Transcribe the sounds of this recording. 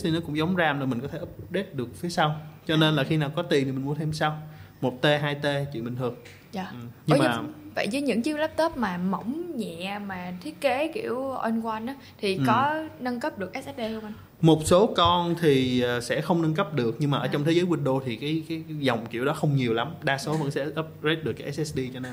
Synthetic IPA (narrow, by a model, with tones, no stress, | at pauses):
t̪ʰi˨˩nɔ˨˦kʊ̰˧˥ŋ͡mza˨˦wŋ͡mzaː˧mnɔ˧˩mï˨˩ŋ̟kɔ˨˦t̪ʰe˧˩ʔpɗe˦˥t̚ɗɨ˨˩ək̚fi˨˦əsa˧wt͡ɕɔ˧ne˧nlaː˨˩xi˧naː˨˩wkɔ˨˦t̪i˨˩t̪i˨˩mï˨˩ŋmu˨˦ənt̪ʰe˧msa˧wmo˨˩t̚t̪e˧ɦaː˧jt̪e˧t͡ɕwḭ˧˨nɓï˨˩ŋ̟ʰɨ˨˩əŋ | a˧˩˨ɲɨ˧˨˦mː˨˩və̰˧˨jzəː˨˦jɲɨ̰˧˥ŋt͡ɕi˦˥əwlaː˦˥p̚t̪ə˦˥p̚maː˨˩mə̰˧˩wŋ͡mɲɛ̰˧˨maː˨˩t̪ʰi˦˥ət̚ke˨˦kḭ˧˩əwʔə˧nkwa˧nʔa˨˦t̪ʰi˨˩ʔkɔ˨˦nə˧nkə˦˥p̚ɗɨ˨˩ək̚ʔɛ˦˥sʔs̚ɗe˧mʔa˧ŋ | mo˨˩t̚so˨˦kɔ˧nt̪ʰiː˨˩˨sɛ̰˧˥xə˧wŋ͡mnə˧nkə˦˥p̚ɗɨ˨˩ək̚ɲɨ˧ŋmaː˨ʔəː˧˩t͡ɕwŋ͡mt̪ʰe˨˦zəː˨˦jwi˧˩nɗo˧t̪ʰi˨˩kaː˨˦jkaː˨˦jzɔ˨˩wŋ͡mkḭ˧˩˥wɗɔ˨˦xə˧wŋ͡mɲi˨˩əwla˨˦mɗaː˧so˨˦və̰˧˥nsɛ̰˧˥ʔə˦˥p̚ze˦˥t̚ɨ˨˩kaː˨˦ʔɛ˦sɛ˦˥sɗi˧t͡ɕɔ˧ne˧n